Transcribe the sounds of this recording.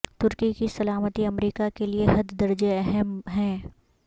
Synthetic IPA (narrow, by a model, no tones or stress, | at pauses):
t̪ʊɾkikisɐlaːmət̪iɐmɾiːkakelieɦɐd̪ːɐɾd͡ʒeɛɦɛmɦɛ̃ː